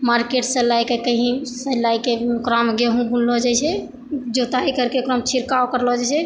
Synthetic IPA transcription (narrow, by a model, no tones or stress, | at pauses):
maɾkeʈsə̃lajkekəɦĩselajkekɾamɡeɦũbunlɔd͡ʒajt͡ʃʰɛ | d͡ʒot̪aikəɾkekɾɔmt͡ʃʰiɾkaokəɾlɔd͡ʒat͡ʃʰɛ